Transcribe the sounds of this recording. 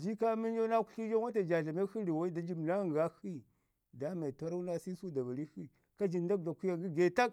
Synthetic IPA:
d͡ʒi˦ka˦mi˦n˦d͡ʒa˦na˦ku̥˦ɬi˦d͡ʒa˦a˦ta˨d͡ʒa˨ɮa˨ma˦xi˦i˨wa˦i˦da˨˦d͡ʒi˦m˨na˦ŋ˨ɡa˦xi˦ | da˦ma˨ta˦ɾa˦u˦na˦si˦su˦da˨va˨ɾi˦xi˦ | ka˦d͡ʒi˨n˦da˦k̚da˨ku˦ja˨ɡi˦ɡe˨ta˦k̚

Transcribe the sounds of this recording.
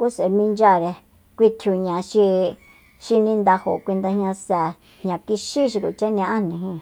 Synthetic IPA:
ku˦se˨mĩ˧nd͡ʒa˦˨ɾe˧ | kʷi˧t̪ʰju˧ɲã˧ʃi˧ | ʃi˧nĩ˦˧nd̪a˧ho̰˨˧kʷi˧nd̪a˧hɲã˧sɛ˨ | ɲã˧ki˧ʃi˦ʃ̬i˧kṵ˨t͡ʃa˦nĩ˧ʔã˦nĩ˧ɦĩ˧˦˨

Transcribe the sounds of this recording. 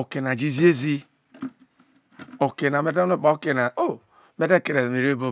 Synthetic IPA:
o˨ke˨na˨d͡ʒi˦zi˦e˦zi˦ | o˨ke˨na˨me˦de˦o˦k͡pa˨o˦ke˨na˨o˦ | me˦de˦˨ke˨ɾe˨me˨ɾe˦bo˦

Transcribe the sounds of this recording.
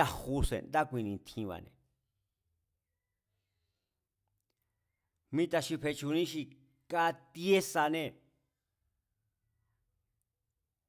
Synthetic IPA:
a˧hu˧sḛ˨nd̪a˦kʷĩ˧nĩ˧nt̪ʰĩ˧βa̰˨˧nḛ̃˨ | mĩ˦t̪a˧ʃi˧pʰe˧t͡ʃu˧nĩ˦ʃi˧ | ka˦t̪i˦e˦sa˧nẽ˧

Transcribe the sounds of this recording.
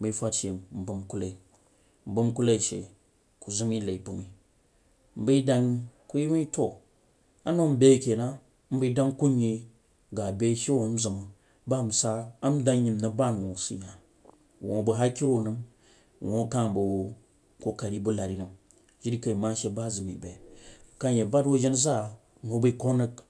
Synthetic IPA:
m̩˦bə˨˦fa˦t͡ʃe˨m̩˨bɨ˨mku˦la˨i˨ | m̩˨bu˦mku˦la˦i˨ʃḛ˨ | ku˨zu˦m˦i˦la˨i˨bu˨mi˨ | m̩˨˦bə˦da˦ŋku˦ji˦wi˦to˨ | a˦no˦m̩˦be˦˨kʲe˨na˦ | m̩˦bə˦da˦ŋku˦ɲi˨ | ɡa˨be˦ʃe˦˨˦m̩˦zə˨mu˨ | ba˦˨m̩˨saː˦mda˦ŋji˨mnə˨ba˦˨n˨wo˨sḭ˨ja˨ | wo˨bə˨ɦa˦ki˦ɾo˦˨nɨ˦m˨ | wo˨˦ka˦˨bu˨ | ko˦ka˨ɾi˦bu˦la˨ɾi˦nɨ˦m | ʒi˦ɾi˦ka˨i˨ma˦ʃe˦ba˦˨zɨ˨mḭ˨be˨ka˦je˨ba˦dwo˦ʒi˦nza˦˨ | no˨˦bə˦ko˦nə˦k

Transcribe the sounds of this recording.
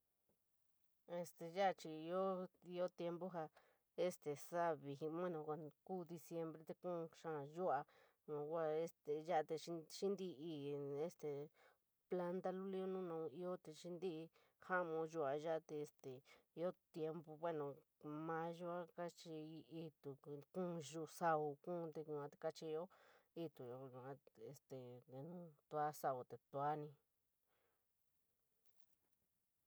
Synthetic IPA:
e˧st̪e˨ʒa˦˧t͡ʃi˧i˧o˦i˧o˦t̪je˧mbo˦ɦa˧ | e˦st̪e˨sa˦βi˨i˧mã˦nõ˧kʷa˧kuː˦˨d̪i˧sje˧mbɾe˧˦t̪e˧kũː˦˧ʃã˦˧˨ʒu˦a˧ | nã˧˨kʷa˧e˦st̪e˨ʒa˦ʔt̪e˧˦ʃi˦nd̪i˦˧i˧e˦st̪e˨ | pla˧nt̪a˦lu˦li˧˦o˦nũ˦nã˧i˧o˦t̪e˧ʃi˦nd̪i˦˧ | ha˦mõ˧ʒu˧a˧ʒa˦˧t̪e˧e˧st̪e˨i˧o˦t̪je˧mbu˧βwe˦nõ˨ | mã˦ʒu˧a˦ka˦t͡ʃi˧i˧t̪u˨kũ˦˧ʒu˧sa˧u˧kũ˦˧t̪e˧ũ˧ã˧t̪e˧ka˧t͡ʃi˧o˦i˧t̪u˨jo˧ũ˧a˧e˧st̪e˨e˧nũ˦t̪u˧a˦sa˧u˨t̪e˨t̪u˧a˦nĩ˧

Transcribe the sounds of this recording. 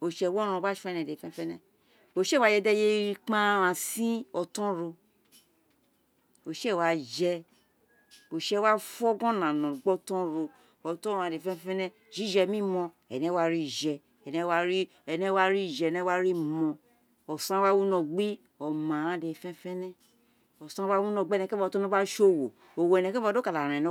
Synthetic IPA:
o˨ʃɛ˧˦wɔ˦ɾ̃ɔ̃˧ba˦ʃɛ˦˧nɛ˨de˨fɛ̃˦fɛ˦nɛ̃˦ | o˨ʃe˦˨wa˧˦d͡ʒɛ˧dɛ˦je˦ɾi˧k͡pã˦wã˧sĩ˦ɔ˧tɔ̃˦ɾo˧ | o˨ʃe˦˨wa˧d͡ʒɛ˧ | o˨ʃɛ˧˦wa˦fɔ˦ɡɔ̃˦nã˨nɔ̃˨ɡ͡bɔ˦tɔ̃˦ɾo˧ | ɔ˨tɔ̃˦˨ã˧˨de˨fɛ˦fɛ˦nɛ˦ | d͡ʒi˨˦d͡ʒɛ˧mĩ˦mɔ̃˧ | ɛ̰˨nɛ̃˧˦wa˦ɾi˦˨ʒɛ˧ | ɛ˨nɛ̃˧˦wa˧˦ɾi˦ | ɛ˨nɛ̃˧˦wa˦ɾi˦˨d͡ʒɛ˧˨nɛ˧˦wa˦ɾi˦mɔ̃˧ | ɔ˨sã˦wa˦wu˦nɔ̃˧˨ɡ͡bi˦ | ɔ˨mã˨˦de˧˨fɛ̃˦fɛ̃˦nɛ̃˦ | ɔ˨sã˦wa˦wu˦nɔ̃˧˨ɡ͡bɛ˦˨nɛ̃˧˦ka˦˧˦tɔ̃˦a˦ʃo˦˨wo˨ | o˨wo˨ɛ˨nɛ̃˧kɛ˦˧˦do˦ka˨la˨ɾ̃ã˨ñ˨˦

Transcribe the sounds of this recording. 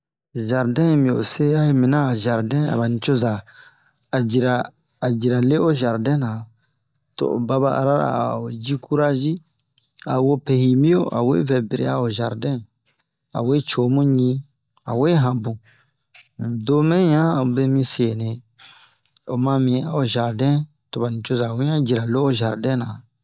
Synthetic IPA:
ʒa˨ɾdɛ̃˦˨mĩ˨o˨se˦ja˦je˨˦mĩ˨nã˦˨ʒa˨ɾdɛ̃˦a̰˨ba˨nĩ˨t͡ʃo˦za˨ | a˨d͡ʒi˨ɾaː˨ | d͡ʒi˨ɾa˨le˦o˦ʒa˨ɾdɛ̃˦nã˨ | to̰˨ʔo̰˨ba˧ba˦ʔa̰˨ɾa˦ɾa̰˨o˨d͡ʒi˦ku˦ɾa˦d͡ʒi˦ | a˨wo˦pe˨hi˨mĩ˦o˦ʔa̰˨wḛ˦vɛ˨be˨ɾḛ˨a˦o˨ʒa˨ɾdɛ̃˦ | a̰˨we˦t͡ʃo˨˦mũ˦ɲĩ˦ | a̰˨we˦ɦã˨bũ˨ | do˦mɛ̃˦ɲã˦o˨be˦mĩ˧se˨nẽ˨ | o˨mã˧mĩ˨˦a˨o˨ʒa˨ɾdɛ̃˦ | to˨ba˨nĩ˨t͡ʃo˦za˨wu˦ɲã˦d͡ʒi˨ɾa˨le˦o˦ʒa˨ɾdɛ̃˦nã˨

